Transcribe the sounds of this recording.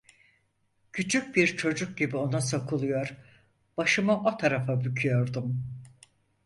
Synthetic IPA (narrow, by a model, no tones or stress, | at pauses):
cʰyt͡ʃʰyc̚biɾt͡ʃʰo̞d͡ʒuk̚ɟibio̞nasakʰɯlˠɯjo̞ɾ | b̥aʃɯmaʔo̞t̪ʰaɾafabycʰyjo̞ɾd̪um